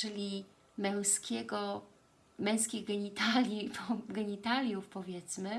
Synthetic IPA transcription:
t͡ʂɘlʲi | mɛ̃w̃skʲɛɡɔ | mɛ̃w̃skʲiɣɡɛɲit̪alʲipʰɔɡɛɲit̪alʲjufpɔvʲjɛt̪smɘ

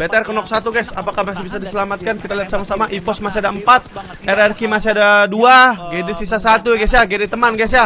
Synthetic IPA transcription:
bet̪ɛrkənɔk̚sat̪uɡajsapakahmasibisadisəlamat̪̚kankit̪aliɦat̪̚samasamaʔifɔsmasiadaəmpat̪̚ | ɛɾɛrkimasiɦadaduaɡedisisasat̪uɡɛs̬jaɡedit̪əmanɡɛsja

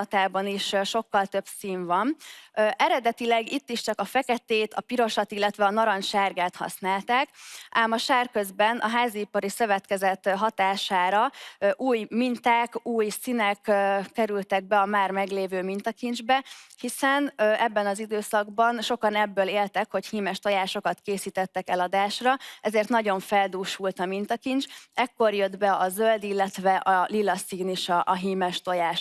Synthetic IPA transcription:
t̪aːbɒniʃʃo̞kːɒlt̪ø̞bsiːɱvɒnʔɛɾɛd̪ɛt̪ilɛɡit̪ːiʃt͡ʃɒkɒfɛkɛt̪eːt̪ɒ̰piɾo̞ʃɒt̪ilːɛt̪ʋɛɒnɒɾɒnʃarɡaːt̪hɒ̰snaːlt̪aːkaːmɒʃaːrkøzbɛnɒ̰ɦaːziːpɒɾisø̞vɛt̪kɛzɛt̪ɦɒt̪aːʃaːɾɒʔuːjmint̪aːkuːjsinɛkːɛɾylt̪ɛɡ̚bɛɒmaːrmɛɡleːvøːmint̪ɒkind͡ʒbɛhisɛnʔɛbːɛnɒzid̪øːsɒɡbɒnʃo̞kɒnɛbːøːleːlt̪ɛkho̞chiːmɛʃt̪o̞jaːʃo̞kɒt̪keːsiːt̪ɛt̪ːɛkɛlɒd̪aːʃrɒɛzeːrt̪nɒɟo̞ɱfɛld̪uːʃult̪ɒmint̪ɒkint͡ʃɛkːo̞rjød̪bɛɒzøld̪ilːɛt̪ʋɛʔɒlilːɒsiːniʃɒʔːɦiːmɛʃt̪o̞jaːʃ

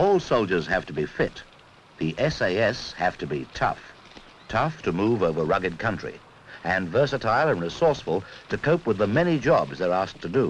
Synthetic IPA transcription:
ɔlˠsoʊlˠd͡ʒə˞z̥hæftʰɨbifɪt̪̚ | ðiʔɛseɪɛshæftʰɨbitʰʌ̰f | tʰʌftʰɨmuvoʊvə˞ɹʌɡɨd̚kʰʌ̃nt͡ʃɹ̥ḭ | ɨ̃nvɜ˞sɨtʰaɪlˠə̃nɹɨsɔɹsfəl̩ˠtʰɨkʰoʊpwəðəmɛnid͡ʒɑbzðə˞æs̚tʰɨdɨ

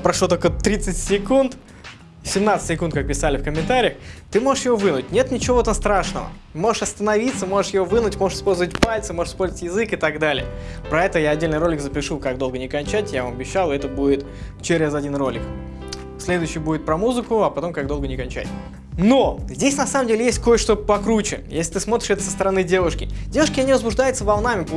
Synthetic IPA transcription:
pɾɐʂlot̪olʲkət̪ɾʲit̪sɨtʲsʲɪkunt̪ | sʲɪmnat̪sɨ̥tʲsʲɪkunt̪kak̚pʲɪsalʲɪfkəmʲːɪnt̪aɾʲɪjəxt̪ɨmo̞ʐɨʂjɪvo̞vɨnʊtʲnʲet̪nʲɪt͡ɕɪvot̪amst̪ɾaʂnəvə̰ | mo̞ʐɨʂɐst̪ənɐvʲit̪səmo̞ʐɨʂjɪvo̞vɨnʊtʲmoʐɨʂɪ̥spo̞lʲzəvətʲpalʲt̪sɨmo̞ʐɨʂspolʲzətʲjɪzɨkɨt̪ɐɡd̪alʲɪ̰ə | pɾɐɛt̪əəjaɐdʲːelʲnɨjɾo̞lʲɪkzəpʲɪʂukaɡd̪o̞lˠɡənʲɪkɐnʲt͡ɕætʲjavamɐbʲɪɕːalˠɛt̪əbudʲɪt̪ | t͡ɕeɾʲɪzɐdʲinro̞lʲɪk | sʲlʲed̪ʊjɕːɪjbudʲɪt̪pɾɐmuzɨkʊɐpɐt̪o̞mkaɡd̪o̞lˠɡənʲɪkɐnʲt͡ɕæ̰tʲ | no̞zʲdʲesʲnɐsaməmdʲelʲɪjesʲt̚ʲkojʂt̪opɐkɾut͡ɕɪ̰jesʲlʲɪt̪ɨsmot̪ɾʲɪ̥ʂɛt̪ə̥səst̪əɾɐnɨdʲe̞vʊʂkʲɪdʲe̞vʊʂkʲɪɐnʲivəzbʊʐd̪ajɪt̪səvɐlˠnamʲɪp

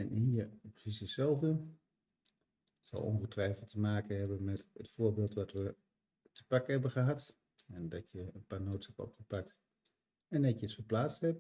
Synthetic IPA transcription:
ɛnhiːərpəsisəsɛlˠvən | tsɔ̰lˠɔ̰nχətrɛjfəlˠtəmaːkəhɛbənmɛtətfʊːɹbeːlˠtʋɔtʋə | tʰəpakəhɛbəχəɦat | ɛndɔtjəənpaːɹnowtshɛpɔ̰pχəpak̚t | ɛndɛtjəətfərplaːt͡sthɛp̚

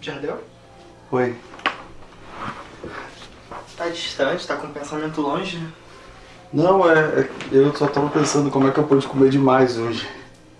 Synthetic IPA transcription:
ʒahd̪ẽw | oj | t̪ad͡ʒiʃt̪ɐ̃t͡ʃɪ̥t̪akõpẽsamẽnt̪ʊlõʒɪ | nɐ̃w̃ɛɛewsɔt̪avɐpẽsɐ̃nd̪ʊkõmʊɛkɪewpɔd͡ʒɪkõmeɾd͡ʒɪmajzoʒɪ

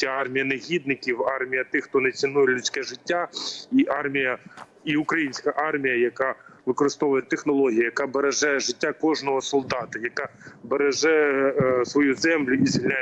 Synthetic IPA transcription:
sʲaɑrmʲijɐneɦʲid̪nɪkʲiwɑrmʲijɐt̪ɪxt̪ɔnɐt͡sʲɪnujɛlʲʊsʲkɛʒɪtʲːaiʔɑrmʲijɐ | iukɾɐjinʲsʲkɐʔɑrmʲijɐjɐkɑʋɪkɔɾɪst̪ɔʋʊjɛt̪exnɔlˠɔɦʲijɐjɐkɑbɐɾɐʒɑjɛʐɪtʲːakɔʒnɔɦɔsɔlˠd̪ɑt̪ɐjɐkɑbeɾɐʒɛjɛsʋɔjuzɛmlʲʊizilʲa

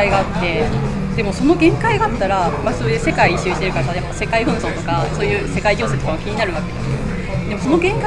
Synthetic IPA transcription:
iɡaːt̪ːe̞ | d̪̥e̞mo̞so̞no̞ɡẽ̞ŋkaiɡaːt̪ːaɾamaso̞ːjɯse̞kaiɕiɨɕi̥t̪e̞ɾɯ̟kat̪ajapːase̞kaiɸɯ̟̃ɰ̃so̞ːt̪o̞kaso̞ːjɯ̟ːse̞kaiɡʲo̞ːset̪okamakʲiɲ̟inaɾɯ̟βake̞d̪esɨo | d̪e̞mo̞so̞no̞ɡẽŋka

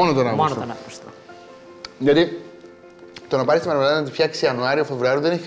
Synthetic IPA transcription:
onot̪onɐpst̪nɐpust̪o | ʝɐt̪i | t̪onɐpɐɾist̪imɐɾmelɐðɐnɐt̪ifçɐksiɐnuɐɾiufevɾuɐɾiuðeneçi

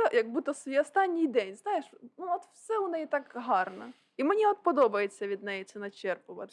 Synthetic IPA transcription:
ɛjɐɡ̚but̪ɔsʲɔst̪ɑnʲːɪjd̪ɛnʲznɑjeʃnuɔt̪wsɛʊnɛjit̪ɑkɦɑrnɐ̰ | imenʲiɔt̪̚pɔd̪ɔbɐjet͡sʲːɐʋʲid̪nɛjit̪sɛnɐt͡ʃɛrpʊʋɐ̰t̪

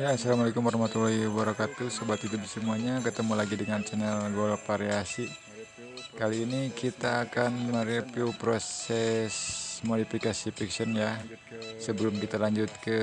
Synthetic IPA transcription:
jasalamalekʊmwaɾahmat̪ulahibaɾakat̪usəbat̪it̪ubsəmuaɲakət̪əmulaɡidəŋant͡ʃɛnɛlɡolafaɾeasi | kaliːnikit̪aːkanməɾɛpiwpɾosɛsmodifikasifiksɔnjasəbəlʊmkit̪alaɲd͡ʒut̪̚kə

